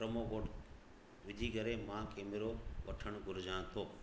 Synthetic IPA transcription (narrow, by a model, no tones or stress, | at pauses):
ɾəmoːkoːʈ | ʋɪd͡ʑʱiːɡəɾemãːkeːmɪɾoʋɐʈʰəɽ̃ɡʱʊɾd͡ʑãːt̪ʰoː